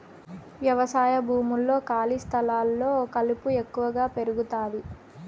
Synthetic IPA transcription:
ʋjɐʋɐsaːjɐbʱuːmulːo̞ːkaːlist̪ʰɐlaːlːo̞ːokɐlupue̞kːuʋɐɡaːpe̞ɾuɡut̪aːdi

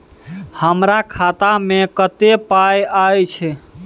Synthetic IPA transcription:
həmɾakʰat̪amẽkət̪epajajt͡ʃʰɛ

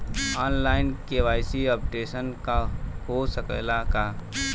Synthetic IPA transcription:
aːnlaːɪnkeʋaːɪsiɔːpʈeːʃənkahosəkə̰laka

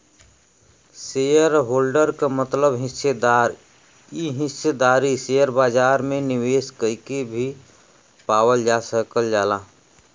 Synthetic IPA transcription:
sejəɾɦoːlɖəɾkamət̪ləbɦɪsed̪aːɾ | iɦɪsed̪aːɾiseːjəɾbaːd͡ʒaːɾmẽnɪweːskəɪkebʱi | paːwəld͡ʒaːsəkəld͡ʒaːlaː

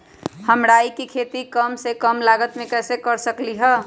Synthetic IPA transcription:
həmɾaːikikʰeːt̪ikəmsekəmlaːɡət̪mẽkɛːsekəɾsəkliɦɛː

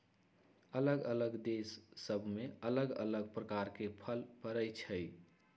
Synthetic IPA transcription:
ələɡələɡd̪esːəbʱmeələɡə̰ləɡpɾəkaɾkepʰəlpəɾəjt͡ʃʰəj

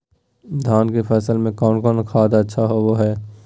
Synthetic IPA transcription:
d̪ʱaːnkepʰɛːsəlmẽkɔːnkɔːnkʰaːd̪ətːʃʰaɦoʋoɦɛː

